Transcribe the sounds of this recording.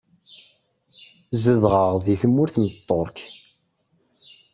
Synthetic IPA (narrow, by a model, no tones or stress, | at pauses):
zəðʁəʁðiθəmːʊɾθmət̪ˤːoɾˤk